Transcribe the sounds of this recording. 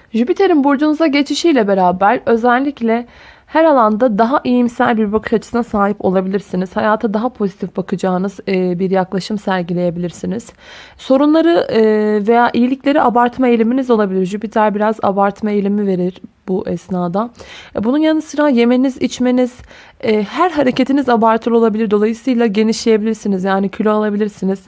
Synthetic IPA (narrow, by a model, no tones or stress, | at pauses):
ʒybit̪ʰe̞ɾinbuɾd͡ʒunuzaɟe̞t͡ʃʰiʃijlʲɛbe̞ɾaːbæɾø̞zælʲːiclʲɛ | hæɾalˠand̪ad̪aɦaʔijimsæ̰lʲbiɾbakʰɯ̥ʃat͡ʃʰɯ̥sɯnasaːɦipo̞̰lˠabilʲiɾsiniz̥hajaːt̪ʰad̪aɦapʰo̞zit̪ʰifbakʰɯd͡ʒaːnɯzbiɾjaklˠaʃɯmsæɾɟilʲe̞je̞bilʲiɾsiniz̥ | so̞ɾunlˠaɾɯve̞jaːʔijilʲiclʲe̞ɾiʔabaɾt̪ʰmaejlʲiminizo̞lˠabilʲiɾd͡ʒypit̪læɾbiɾaza̰baɾt̪maejlʲimive̞ɾiɾ̥buʔɛsnaːd̪abununjanɯsɯɾaje̞me̞nizit͡ʃme̞niz̥ | ɛːhæɾɦaɾe̞ce̞t̪ʰinizabaɾt̪ʰɯlʲˠo̞lˠabilʲiɾd̪o̞lˠajɯsɯjlˠaɟe̞niʃlʲeje̞bilʲiɾsinizjaːnicʰylʲyalˠabilʲiɾsiniz̥